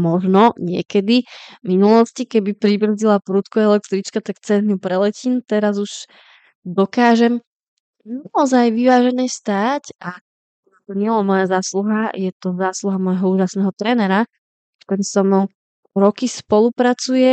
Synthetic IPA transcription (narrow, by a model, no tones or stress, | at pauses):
mɔʒnɔɲɪɛ̰kɛd̪iminulɔscikɛbipɾibr̩zilapɾuːt̪kuɛlɛk̚t̪ɾit͡ʃkat̪akt͡sɛnupɾɛlɛciːnt̪ɛɾazuʒ | d̪ɔkaːʒɛm | naɔzajʋiʋaːʒɛnɛːst̪aːca | at̪ɔɲɪɛlɛmɔjazaːsluɦajɛt̪ɔzaːsluɦamɔjɦɔuːʒasnɛːɦɔt̪ɾɛːnɛɾa | t̪ɛnsɔm | ɾɔkispɔlupɾat͡sujɛ